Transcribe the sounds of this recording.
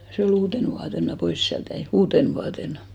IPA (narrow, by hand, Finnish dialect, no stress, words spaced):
se ol uːten ʋuɑten mæ pois siælt jæi uːten ʋuɑtenɑ̥